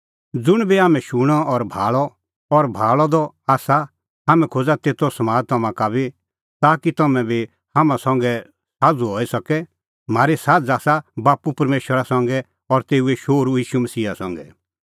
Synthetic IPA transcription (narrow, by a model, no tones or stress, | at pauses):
d͡zʊɽ̃biaːmɛ̃ʃuɽ̃ɔɔɾbʱaːlɔ | ɔɾbʱaːlɔd̪ɔ | aːsa | ɦaːmɛ̃kʰod͡zat̪eːt̪ɔsɐmaːd͡zt̪ɐmãkabi | t̪aːkit̪ɐmɛ̃bʱi | hamãsɔ̃ŋɡɛ | saːd͡zuɦɔːisɐkɛ | m̤aːɾesaːd͡zaːsabaːpupɐɾmeːʃəɾasɔ̃ŋɡɛ | ɔɾt̪eːueʃoːɾujiːʃumɐsiːasɔ̃ŋɡɛ̰